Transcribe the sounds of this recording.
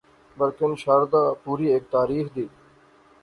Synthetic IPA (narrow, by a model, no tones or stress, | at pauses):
bəlkɪnʃaɾd̪aːpuːɾiːeːk̚t̪aːɾiːxd̪iː